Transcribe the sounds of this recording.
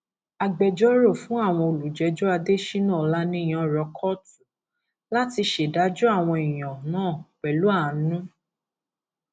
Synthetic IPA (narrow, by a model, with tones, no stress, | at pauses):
a˧ɡ͡bɛ˨d͡ʒɔ˦ɾo˦˨fũ˨˦a˦˨w̃ɔ̃˧o˨lu˨d͡ʒɛ˨˦d͡ʒɔ˦a˧de˦ʃi˦nã˦˨la˦nĩ˦˨j̃ã˨˦˨ɾɔ˧˦kʰɔ˦tu̥˨ | la˦ti˧ʃe˨da˨˦d͡ʒu˦a˦˨w̃ɔ̃˧i˨j̃ã˨nãː˦˨k͡pɛ˨lu˨˦a˦˨nũ˦